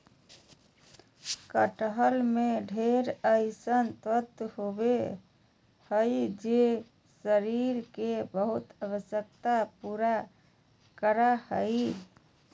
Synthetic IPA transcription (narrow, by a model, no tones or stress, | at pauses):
kəʈəɦəlmeɖʱeɾəɪsənt̪ət̪ɦobe | həjd͡ʒe | səɾiɾkebəɦut̪əwəsjək̚t̪apuɾa | kəɾahəj